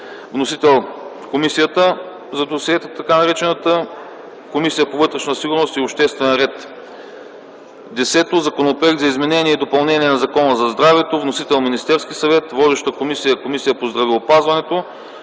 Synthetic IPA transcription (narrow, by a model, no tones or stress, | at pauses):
vnosit̪ɛlˠfkomisijət̪ə | zɐd̪osiɛt̪ət̪ɐkanɐɾɛt͡ʃɛnət̪ə | komisijəpovɤt̪ɾɛʃnəsiɡʊɾnost̪iopʃt̪ɛst̪vɛnɾɛt̪ | d̪ɛsɛt̪ozɐkonopɾoɛɡd̪zɐizmɛnɛnʲiɛid̪opɐlˠnɛniɛnɐzɐkɔnəzɐzd̪ɾavɛt̪ovnosit̪ɛlˠminist̪ɛɾsk̟isɐvɛt̪vɔd̪ɛʃt̪əkomisijəkomisijəpozd̪ɾɐvɛopazvɐnɛt̪o